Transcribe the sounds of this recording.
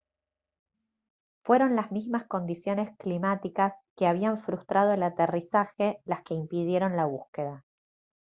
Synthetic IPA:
fwe̞ɾo̞nlazmizmasko̞nd̪isjo̞ne̞sklimat̪ikaske̞aβ̞iaɱfɾust̪ɾʔað̞o̞elat̪erisaxe̞laske̞impiðje̞ɾo̞nlaβ̞uske̞ða

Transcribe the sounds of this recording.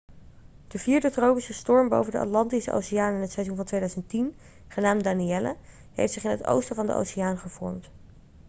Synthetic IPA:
d̥əviːɹdətrowpisəstɔɹmbo̰wvəndəʔɑ̰tlɑntisəʔo̰wsijaːnɪnɦətsɛjzunvɑntʋejdœɥzəntin | χənaːmdaːniɛlə̰ | ɦḛjftsɪχɪnɦəto̰wstəvɑndə̰ʔo̰wsiaːnχəv̥ɔ̰ɹmt

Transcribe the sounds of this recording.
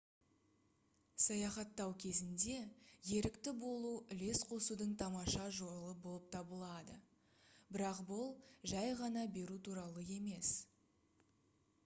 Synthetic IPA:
sɑjɑχɑt̪ːɑwkʲʰe̞zɪnd̪e̞je̞ɾɪkt̪ɪbo̞lˠuɪle̞sqʰo̞sud̪əɴt̪ʰɑmɑʃɑʒo̞ɾlˠəbolˠəp̚t̪ʰɑbəlˠɑd̪ə̰ | bɪɾɑqbʊlˠʒæjʁɑnɑbe̞ɾut̪ʰuɾɑlˠəe̞me̞s

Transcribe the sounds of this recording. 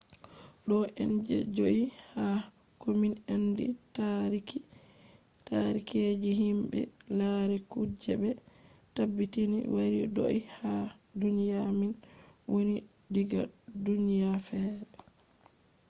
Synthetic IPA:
ɗɔʔɛnd͡ʒɛ̰d͡ʒoʔiha | kominandḭtaɾiki | taɾikʰed͡ʒiɦimbɛ̰ | laɾɛkud͡ʒɛbɛ | tabːitinḭwaɾido̰ʔiha | dunijamin | woni | diɡa̰ | dunijafɛːɾɛ

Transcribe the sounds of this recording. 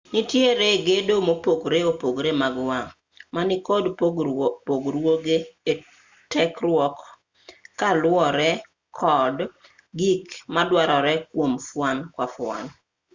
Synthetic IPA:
nɪtjeɾeɡedomopokɾeopoɡɾemaɡwaŋ | manɪkɔd | poɡɾwoɡee | tɛkrwɔkː | alwɔɾɛ | kʰɔd | ɡikmadwaɾɔɾɛkwomfwankwafwa̰n

